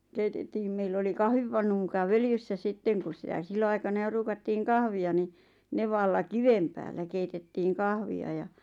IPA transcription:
keitetːiːm meilː oli kɑhʋipɑnːu mukɑ ʋøljysːæ sitːeŋ kus sitæ silːoɑikɑnɑ jo ruːkɑtːiːŋ kɑhʋiɑ ni neʋɑlːɑ kiʋem pæːlːæ keitetːiːŋ kɑhʋiɑ jɑ

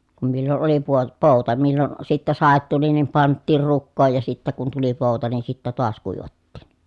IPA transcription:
kum milːon oli puo poˑu̞tɑ milːon sitːæ sɑˑet tuli nim pɑntːiːr rukːoːj jɑ sitːæ kun tuli poˑu̞tɑ nin̞ sitːæ toɑs kuiʋɑtːiːn

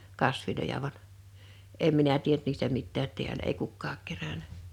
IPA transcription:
kɑsʋilojɑ ʋɑn̥ em minæ tient niːstæ mitːæːt ti̞ælæ ei kukːɑːk kerænæ

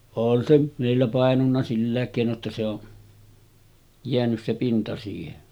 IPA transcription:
on se meˑilːæ pɑˑenunːɑ silːæˑek keˑino tːɑ se o jeænys se pintɑ siːhen

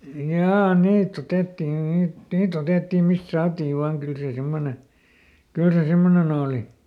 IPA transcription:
jɑː niːt otetːin niːt niːt oteˑtːim̆ mist sɑːtiːʋ ʋɑːŋ kyl seˑ semːone kyl se semːonen oːli

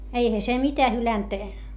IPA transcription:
eihæ se mitæ hylænt

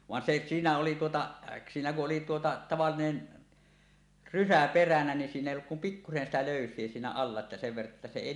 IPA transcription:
ʋɑn se siːnæ oli tuotɑʔ siːnæ kuʔ ʔoli tuotɑ tɑʋɑlːinen rysæ perænæ nin siːn eˑi olːuk kum pikːusen sitæ løˑysˑie siːnæ ɑlːɑ etːæ seʋ ʋerːɑʔ ʔetːæ se eˑi

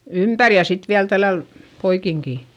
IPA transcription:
ympær jɑ sit ʋiæl tælːæl poikiŋkiˑ

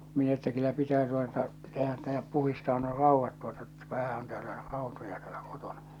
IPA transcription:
min etːæ kylːæ pitæː tuotɑ tehæ tːæ̥ jɑ puhistɑː nuo rɑuʋːɑt tuotɑ tːæ ʋæhæ on tæːlæ rɑˑotojɑ tæ̥ːl̥æ̥ koto̥n̥ɑ̥

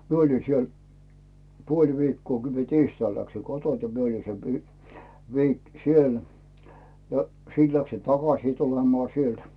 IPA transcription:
mie olʲi siel puolʲ ʋiːkːoː kə mie tiːstɑil læksi kotont ni mie oli se ʋiːk siel jɑ siːt læksin tɑkɑsiˑ tulemŏɑˑ sielt

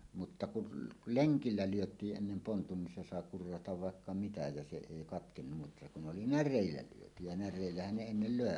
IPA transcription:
mutːɑ kun leŋkilːæ lyøtˑiːʔ ʔenːem pontun nin se sɑˑe kurːɑtɑʋ ʋɑˑekːɑ mitæ jɑ se eˑi kɑtkenːum mutːɑ kun oli nærˑeˑilːæ lyøty jɑ nærˑeˑilːæhæn ne enːel løˑe

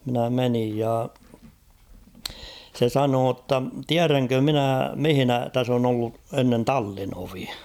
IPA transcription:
minæ menij jɑ se sɑnoː tːɑ tiæræŋkø minæ mihɪ̆næ tæs on olːu enːen tɑlːinoʋi

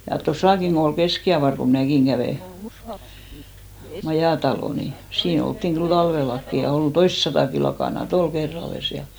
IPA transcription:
jɑ tosɑˑkiŋ ɡ̊o ol keskiɑʋɑr ko mĭnæˑkiŋ ɡ̊æʋeˑ mɑjɑˑtɑloˑ ni siːn oltːiŋ ɡ̊yl tɑlʋelːɑkːi jɑ ol toistsɑtɑˑki lɑkɑˑnɑt ol kerːɑlːes jɑ

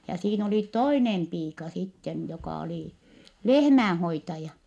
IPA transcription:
jɑ siːn oli toinem piːkɑ sitːen jokɑˑ oliˑ lehmæːn̞hoitɑjɑ

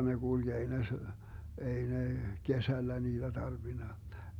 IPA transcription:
ne ɡ̊ulɡ̊ ei ne se ei ne kesælːæ niːd̥æ tɑrʋinɑ

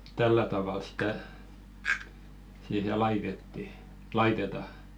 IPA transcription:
tæltælːæ tɑʋɑˑl stæ siːhe lɑitetːi lɑitetɑ

